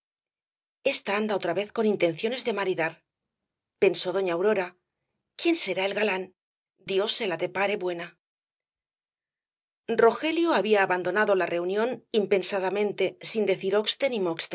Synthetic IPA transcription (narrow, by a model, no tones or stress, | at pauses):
e̞st̪aand̪ao̞t̪ɾaβe̞θko̞nint̪e̞nθjo̞ne̞zðe̞maɾiðaɾ | pe̞nso̞ð̞o̞ɲaːwɾo̞ɾa | kje̞nse̞ɾaelɣalan | d̪jo̞se̞laðe̞paɾe̞βwe̞na | ro̞xe̞ljoaβiaːβand̪o̞naðo̞lare̞unjõ̞nimpe̞nsaðamẽnt̪e̞sind̪e̞θiɾo̞kst̪e̞nĩmokst̪e